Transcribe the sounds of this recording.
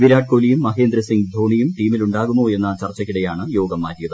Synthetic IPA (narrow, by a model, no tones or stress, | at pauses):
ʋiɾaːɖ̚koːlijumːɐɦeːnd̪ɾɐsiŋɡd̪ʱoːɳijumʈiːmiluɳɖaːɣumːoːe̞nːɐt͡ɕɐrt͡ɕːɐkːiɽejaːɳɨjo̞ːɡɐmːaːɾijɐðɨ